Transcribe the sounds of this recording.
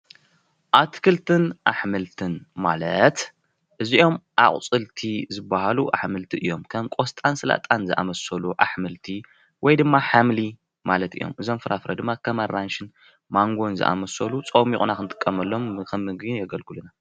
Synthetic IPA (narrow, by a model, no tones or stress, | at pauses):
ʔat̪ʰkʰɨlt̪ʰɨnʔaħmɨlt̪ʰɨnmalɐt̪ | ʔɨziʔo̞mʔa̰χʼt͡sʼɨlt̪ʰizɨbːahaluʔaħmɨlt̪ʰiʔɨjːo̞mkʰɐmkʼost̪ʼansɨla̰t̪ʼanzɨʔa̰mɐsɐluʔaħmɨlt̪ʰi | wɔjd̪ɨmːaħamli | malɐt̪ɨjo̞̰mʔɨzomfɨɾʔafɾɐ̰d̪ɨmːakʰɐmɐrːanʃɨn | maŋɡo̞nzɨ̰ʔa̰mɐsɐlut͡sʼowmixʼunakɨnt̪ʼɨ̥kʼːɐmɐlːo̞mɨkʰɐmːɨɡinjɛɡɐlɡɨluna